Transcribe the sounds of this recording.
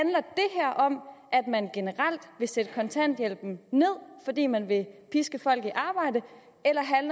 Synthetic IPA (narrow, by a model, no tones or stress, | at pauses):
ænlɐd̥e̝ɦæɐ̰ʔɒ̽mʔæd̥mænɡ̥e̝nəʁɑl̰d̥ʋe̝sed̥əkʰɒ̽nt͡sʰæn̰d̥jel̰b̥n̩ne̝ð̞̰ˠfɒ̽d̥ḭːmænʋe̝pʰisɡ̥əfɒ̽l̰ɡ̥iʔɑ̈ːb̥ɑ̈ɪ̰d̥ə | elɐɦænl